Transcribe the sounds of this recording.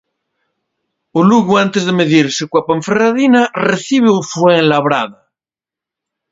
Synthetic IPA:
oluɣuant̪ezðemeðiɾsekwapaɱferaðinareθiβ̞eofweŋlaβɾaða

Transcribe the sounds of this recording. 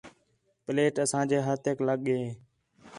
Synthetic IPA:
pleːʈəsãːd͡ʒeːɦaːt̪ekləɠeː

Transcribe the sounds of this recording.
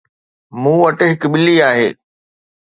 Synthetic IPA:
mũːʋɐʈɦɪkɓɪliaːɦḛː

